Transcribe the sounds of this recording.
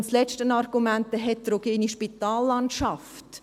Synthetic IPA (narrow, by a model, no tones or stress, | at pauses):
nslɛt͡ʃtənɑɾɡ̥umæntəɦɛttroɡ̥eːniʃpitaːlːɑntʃɑf | t